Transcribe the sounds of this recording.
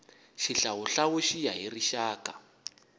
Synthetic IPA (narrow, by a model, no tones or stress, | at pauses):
ʃiɬawuɬawuʃijaɦiriʃaːka